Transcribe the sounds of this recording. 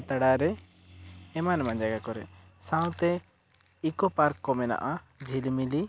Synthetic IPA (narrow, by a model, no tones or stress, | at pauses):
t̪aɽaɾɛ | ɛmanɛmãd͡ʒaɡakɔɾɛ̰sãw̃t̪ɛ | ikɔpaɾkːɔmɛna̰ʔa | d͡ʒʱilmili